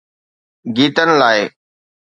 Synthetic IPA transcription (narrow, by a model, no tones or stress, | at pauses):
ɡiːt̪ənɪ̆laːɪ